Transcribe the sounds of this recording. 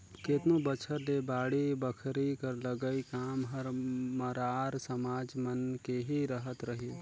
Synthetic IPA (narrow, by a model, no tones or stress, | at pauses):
keːt̪nobət͡ʃʰəɾlebaːɽibəkʰɾikəɾləɡəikaːmɦəɾməɾaːɾsəmaːd͡ʒmənkeɦiɾəɦət̪ɾəɦi